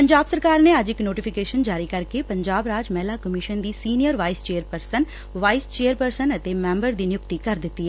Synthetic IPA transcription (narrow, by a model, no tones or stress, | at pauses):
pəɲd͡ʒaːbsəɾkaːɾneːəd͡ʒɪknoːʈipʰɪkeːʃənd͡ʒaːɾiːkəɾkepəɲd͡ʒaːbɾaːd͡ʒmɛːlaːkəmɪʃənd̪iːsiːnijəɾʋaːist͡ʃeːəɾpəɾsən | ʋaːist͡ʃeːəɾpəɾsənət̪emɛ̃ːmbəɾd̪iːnɪjʊkt̪iːkəɾd̪ɪt̪ːiːɛ